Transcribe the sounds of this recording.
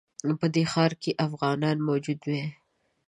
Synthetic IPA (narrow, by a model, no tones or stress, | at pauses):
pəd̪exɑɾkeʔafɣɑnɑnmod͡ʒud̪we